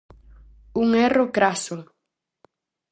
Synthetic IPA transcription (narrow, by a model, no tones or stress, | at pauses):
uŋɛrokɾasoŋ